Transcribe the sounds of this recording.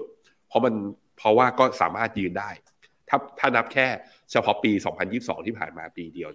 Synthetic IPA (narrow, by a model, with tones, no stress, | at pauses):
pʰɾɔ˦˥ma˧n | pʰɔ˦˥waː˥˩kɔː˥˩sa̰ː˩˦maː˥˩t̪̚jɯː˧ndaː˥˩j | t̪ʰa˥˩t̪ʰaː˥˩na˦˥p̚kʰɛː˥˩ | t͡ɕʰa˧pʰɔ˦˥piː˧sɔ̰ː˩˦ŋpʰa˧njiː˥˩p̚sɔ̰ː˩˦ŋt̪ʰiː˥˩pʰa̰ː˨˩nmaː˧piː˧di˧əw